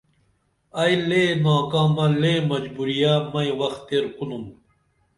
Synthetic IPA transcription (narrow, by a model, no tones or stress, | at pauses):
ɐjleːnaːkãːmɐlemɐd͡ʑbuɾijaːmɐjwɐxt̪eɾkunum